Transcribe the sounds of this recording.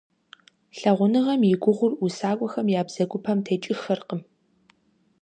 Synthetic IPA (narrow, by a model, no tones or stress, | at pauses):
ɬɐʁʷʊnɨʁɐmjɪɡʷʊʁʷʊrusaːkʷʼɔxɐmjaːbz̥ɐɡʷʊpʰɐmtʰeːt͡ʃʼɪxɐrqəm